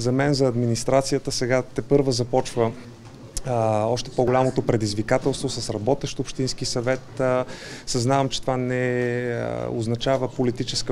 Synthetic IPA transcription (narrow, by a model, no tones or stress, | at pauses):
zɐmɛnzɐːd̪minist̪ɾat̪sijət̪əsɛɡat̪ɛpɤɾvəzɐpɔt͡ʃvə | ɔʃt̪ɛ̥poɡolʲamot̪opɾɛd̪izvikat̪ɛlˠst̪vosɐsɾɐbɔt̪ɛʃt̪ʊpʃt̪insk̟isɐvɛt̪ | sɐznavɐmt͡ʃɛt̪ovanɛ̰ | o̰znɐt͡ʃavəpolit̪it͡ʃɛskə